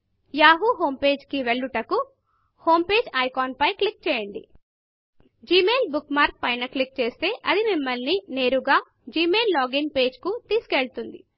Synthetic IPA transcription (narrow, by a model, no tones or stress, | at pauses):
jaːɦuɦo̞ːmpe̞ːd͡ʒkiʋeɭːuʈɐku | ho̞ːmpe̞ːd͡ʒɐjkaːnpɐjkɭik̚t͡ʃɛːjɐɳɖḭ | d͡ʒiːme̞ːlbukmaːɾk̚pɐjnɐklik̚t͡ʃe̞ːst̪e̞ːʔɐd̪imimːɐlnine̞ːɾuɡaː | d͡ʒiːme̞ːlːaːɡinpe̞ːd͡ʒkut̪iːsu̥keɭut̪und̪ḭ